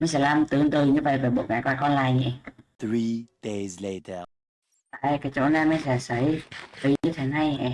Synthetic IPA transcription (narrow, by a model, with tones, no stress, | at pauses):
ma˧˦nsɛ̰˧˥laː˧mt̪ɨ˨˦˨ə˨ŋt̪ɨ˨˩ɲɨ˧və̰˧˨jva˨˩ɓo̰˨˧˩ŋaː˨˩kwaː˧kɔ˧nlaː˧˩jɲi˧˩θɹid̥ezletʰə | taː˨˩jkaː˨˦jt͡ɕo̰˧˦na˨˧jma˨˧˦sɛ˧˩sə˨˧˦jfə˨˦ɲɨ˧t̪ʰe˨˦na˧jɛ˨˩